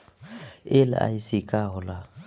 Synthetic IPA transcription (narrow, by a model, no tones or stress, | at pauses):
ɪlɪ̰a̰isɪkʼaɦʊla